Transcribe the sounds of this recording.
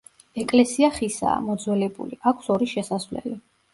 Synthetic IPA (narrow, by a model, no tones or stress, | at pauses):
ɛkʼlɛsiaχisa̰ːmɔd̪zwɛlɛbṵliʔakʰsɔɾiʃɛsasvlɛ̰li